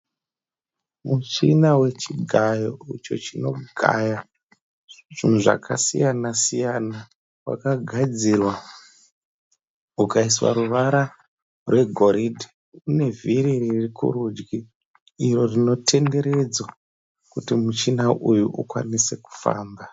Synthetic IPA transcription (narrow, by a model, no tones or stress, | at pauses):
mut͡ʃinawe̞t͡ʃiɡʱajo̞ut͡ʃo̞̰t͡ʃino̞ɡʱa̰ja | ʐ̥imuʐa̰kʰasḭjanasijana | wa̰kaɡʱad͡zirwa | ukaiswa̰ɾuʋaɾa | rwe̞ɡʱo̞ɾidʱi | une̞vʱiɾiririkṵɾud͡ʒɡi | iro̞rino̞tʰe̞nde̞ɾe̞d͡zwa | kutimut͡ʃinaʔujuʔukwa̰nise̞ku̥fa̰ːmba